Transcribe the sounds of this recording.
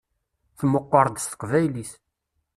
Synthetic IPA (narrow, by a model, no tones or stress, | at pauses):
θmːəqːəɾˤd̪st̪ə̥qvæjlis